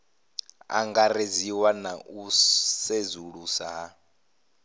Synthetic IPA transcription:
a̰ŋɡaɾeziwanausezuɺusaɦa

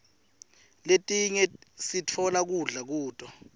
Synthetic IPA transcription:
letʼiɲɛsit͡fʰɔlak̬uɮak̬uːtʼɔ

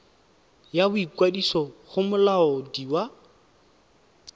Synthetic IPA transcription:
jabʊikwadisɔχʊmʊlaɔdiwa

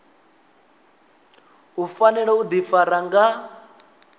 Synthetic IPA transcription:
ɦufanɛɺɛud̪ifaɾaŋɡa

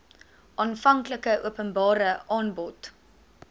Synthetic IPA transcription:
ʔɑːnfɐŋkləkəʔuəpənbɑːɾəʔɑːnbɔt

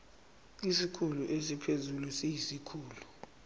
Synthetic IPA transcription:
isikʰuluʔes̬ipʰezulusijisikʰuːlu

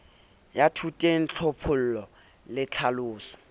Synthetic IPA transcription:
jatʰutʼɛn̩t͡ɬʰɔpʰʊl̩lɔ | lɪt͡ɬʰalʊːsɔ̥

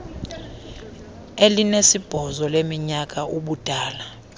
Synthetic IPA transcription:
elinesib̥ʱɔzɔlemiɲak̬ʼaʔuɓud̥ʱaːla

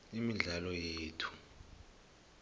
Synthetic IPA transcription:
imiɮalɔjeːtʰu̥

